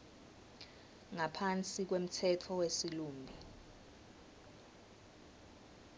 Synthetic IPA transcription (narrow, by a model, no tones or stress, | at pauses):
ŋapʰant͡sʼik̬wem̩tʰɛtʰɔwesiluːmbʱi